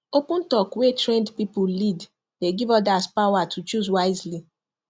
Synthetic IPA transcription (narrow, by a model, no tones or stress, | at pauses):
opũn̩tɔkwetɹɛ̃ndpipulid | deɡivɔdaspawatʰut͡ʃuzwaɪzli